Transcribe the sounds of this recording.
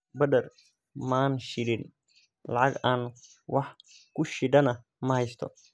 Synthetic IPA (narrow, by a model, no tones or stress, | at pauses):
bɐd̪ɐr | maːnʃɪɽɪn | lɑʕɑɡaːn | wɑħkʰʊʃɪɖɐnɐ | mɐhɛjst̪ʰɔ̰